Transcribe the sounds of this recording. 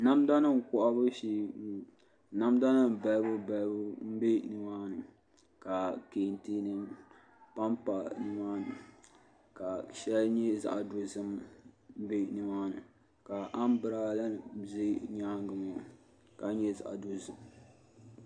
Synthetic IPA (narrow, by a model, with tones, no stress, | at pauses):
na˦mda˦nɨ˦ŋ˨kʊ˦ʔa˦bɨ˦ʃi˦ | na˦mda˦nɨ˦m˨ba˨lbɨ˦ba˨lbʊ˦m̩˦be˦nɨ˨maː˦nɨ˨ | ka˨ke˨nti˦nɨ˦m | pa˦mpa˨nɨ˦maː˦nɨ˨ | ka˨ʃɛ˦lɲɛ˦za̰˨ʔa˨do˨zɨ˦m˦ | be˦nɨ˨maː˦nɨ˨ | ka˨ʔa˦m˦bɨ˨ɾa˦la˦˨zi˦ɲaː˦ŋ˦ɡɨ˨mo˨ | ka˨˦ɲɛ˦za̰˨ʔa̰˨do˦zɨ˨m